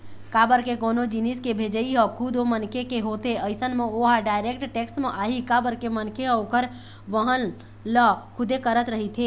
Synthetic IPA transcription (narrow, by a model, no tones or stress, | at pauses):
kabəɾkekoːnod͡ʒiniskebʱed͡ʒəiɦəkʰud̪omənkekeɦot̪eəɪsənmeoɦaɖaːɪɾek̚ʈʈeksʈmeʔaːɦikabəɾkemənkeɦokəɾ | ʋəɦən | ləkʰʊd̪ekəɾət̪ɾəɦit̪ʰeː